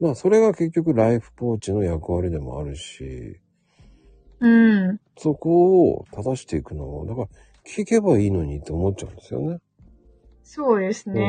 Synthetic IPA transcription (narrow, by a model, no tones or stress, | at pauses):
maso̞ɾe̞ɡake̞k̬ʲːokɯ̟ɾaiɸɯ̟̥po̞ːt͡ɕino̞jakɯ̟βaɾʲid̪e̞mo̞̰a̰ɾɯ̟ɕḭ | ɯ̟̃ | so̞ko̞ːt̪ad̪aɕi̥t̪e̞ikɯ̟no̞βo̰d̪akaɾa | kʲi̥ike̞baiːno̞ɲ̟it̪ːeomo̞t͡ɕa̰ɯ̟̃nd̪e̞sɨjo̞̰ne̞ | soːd̪e̞sɨne